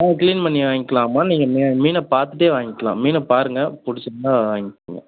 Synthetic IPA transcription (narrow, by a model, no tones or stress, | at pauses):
naːɐkliːnpɐnːiʋaːŋɡɪkːɐlaːmaːniːŋɡɐmiːmiːnɐpaːɾt̪ɯʈːeːʋaːŋɡɪkːɐlã̰ːmiːnɐpaːɾɯŋɡɐpʊɽɪt͡ʃːɐnaːʋaːŋɡɪkːɯ̰ŋɡɐ̰